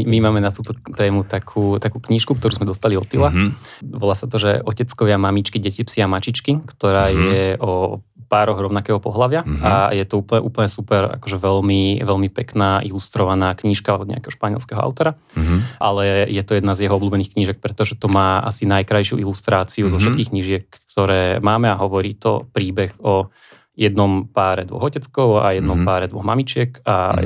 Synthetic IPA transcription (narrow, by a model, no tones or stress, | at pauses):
mimaːmɛnat̪uːt̪ɔt̪ɛːmut̪akʰuːt̪akuːkɲiːʃkuk̚t̪ɔɾuːzmɛd̪ɔst̪aliɔt̪ilaʋɔlaːsat̪ɔʒɛɔcɛt͡skɔʋɪamamit͡ʃkiɟɛcipsiamat͡ʃit͡ʃkikt̪ɔɾaːjɛʔɔ | paːɾɔɣɾɔʊnakɛːɦɔpɔɦlaʋɪaajɛt̪ɔuːplɲɛʔuːpl̩ɲɛsupɛɾa̰kɔʒɛʋɛʎmiʋɛʎmipɛknaːʔilust̪ɾɔʋanaːkɲiːʃkaɔd̪ɲɛ̰a̰kɛɦɔ̥ʃpaɲɪɛ̰lskɛɦɔʔa̰ʊt̪ɔɾa | ʔalɛjɛt̪ɔjɛd̪nazjɛɦɔɔbluːbɛniːxkɲiʒɛk̚pɾɛt̪ɔʒɛt̪ɔmaːʔa̰sinajkɾajʃɪṵʔilust̪ɾaːt͡siuzɔfʃɛt̪kiːxkɲiʒɪɛkːt̪ɔɾɛːmaːmɛaɦɔʋɔɾiːt̪ɔ̰pɾiːbɛɣɔ | jɛd̪nɔmpaːɾɛd̪ʋɔ̰ɣɔcɛt͡skɔʊa̰jɛd̪nɔmpaːɾɛd̪ʋɔ̰ɣmamit͡ʃɪɛka̰